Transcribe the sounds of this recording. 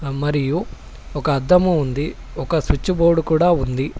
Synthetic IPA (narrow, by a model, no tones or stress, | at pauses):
mɐɾiju | ɔkɐːd̪ːɐmuːnd̪i | ɔkɐsut͡ʃːuboːɽukuːɽaːund̪i